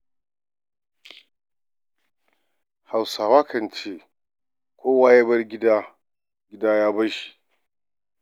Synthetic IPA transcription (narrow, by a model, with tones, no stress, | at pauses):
ha˨wsaː˨waː˦kʰɐ˨nt͡ʃeː˦ | kʷoː˦waː˦jɛ˦bɐ˦rɡʲɪ˦daː˦ | ɡʲɪ˦daː˦jaː˦bɐ˦ʃi̥˨